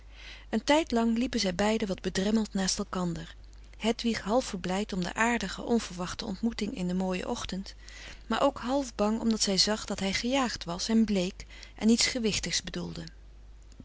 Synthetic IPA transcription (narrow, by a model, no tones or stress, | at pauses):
əntɛjtlɑŋlipənzɛjbɛjdəʋɑd̚bədrɛməlˠtnaːstɛlˠkɑndəɹ | ɦɛtʋiχɦɑlˠfəɹblɛjtɔmdə̰ʔaːɹdəχə̰ʔɔnv̥əɹʋɑχtəɔ̰ntmutɪŋɪ̰ndəmoːjə̰ʔɔχtənt | maːɹʔowkɦɑlˠvbɑŋɔ̰mdɑtsɛjzɑχdɑtɦɛjχəjaːχtʋɑsɛnblejk | ʔɛ̰nitsχəʋɪχtəχsbədulˠdə